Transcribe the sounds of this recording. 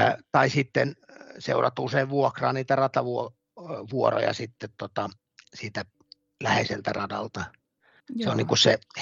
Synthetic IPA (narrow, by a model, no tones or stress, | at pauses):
t̪ɑisit̪ːensḛˑurʔɑ̰t̪ːuuseiʋʋuokrɑ̰ːniːt̪ærɑt̪ɑʋuo | ʋuoro̰jɑ̰sit̪ːet̪t̪ot̪ɑ | siːt̪æ | læhḛselt̪ærɑdɑlt̪ɑ | seonniŋkusse